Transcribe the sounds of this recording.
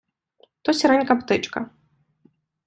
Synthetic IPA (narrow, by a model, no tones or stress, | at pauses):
t̪ɔsʲiɾanʲkapt̪ɨt͡ʂkɐ̰